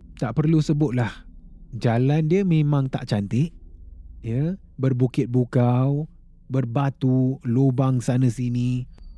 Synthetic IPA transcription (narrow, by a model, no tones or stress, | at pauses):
t̪aʔpərlusəbʊt̪̚lahd͡ʒalandiəmẽmãŋt̪a̰ʔt͡ʃant̪ɪʔ | jə | bərbukɪt̪̚bukaw | bərbat̪ulobaŋsanəsini